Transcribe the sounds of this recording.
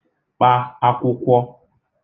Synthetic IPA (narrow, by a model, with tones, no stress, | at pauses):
k͡pa˦a˦kʷʊ˦kʷɔ˦